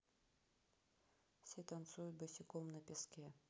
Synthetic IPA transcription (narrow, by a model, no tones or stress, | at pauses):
fsʲɛt̪ɐnt̪sujʊt̪̚ʲbɨsʲɪkɔmnɐpʲaskʲɛ